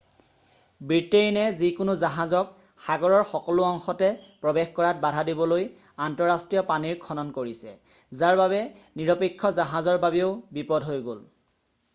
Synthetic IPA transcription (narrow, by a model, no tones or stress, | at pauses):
bɹiteinɛzikʊnʊzaɦazɔk | xaɡɔɹɔɹxɔkɔlʊɔŋxɔtɛpɹɔbexkɔɹat̚badʱadibɔloj | antɔɹastɹijɔpaniɹkʰɔnɔnkoɹisɛ | zaɹbaβɛniɹɔpekʰːɔzaɦazɔɹbabioʊbipɔdɦojɡol